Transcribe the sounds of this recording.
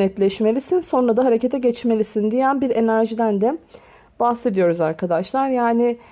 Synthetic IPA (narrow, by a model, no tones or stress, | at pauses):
nɛt̪lʲɛʃme̞lʲisinso̞nɾad̪aɦaɾe̞cet̪ʰɛɟɛt͡ʃme̞lʲisind̪ijænbiɾe̞næɾʒid̪ænd̪ɛ | bahse̞d̪ijo̞ɾuzaɾkʰad̪aʃlˠaɾjaːnɪ